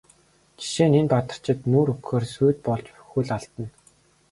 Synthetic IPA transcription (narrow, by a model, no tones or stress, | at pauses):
t͡ɕi̥ʃeːnenpat̪ə̥̆r̥t͡ɕʰɪ̆t̪nuːɾɵkʰeːrsujt̪̚pɔɮt͡ɕ | xuɮaɮt̪ə̆n